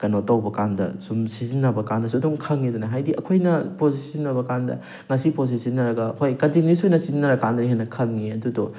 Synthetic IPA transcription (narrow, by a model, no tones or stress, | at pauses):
kɐnotːɐwbɐkandɐ̰sumsizinːɐbɐkandɐsdumkʰɐŋidunɐɦajdiʔɐkʰojnɐpozisizinːɐbɐkandɐ̰ | ŋɐsipozisinːɐɾɐɡɐhojkɐdiŋnisojnɐsizinːɐɾɐkandɐɾiɦenɐkʰɐŋːiɐdudo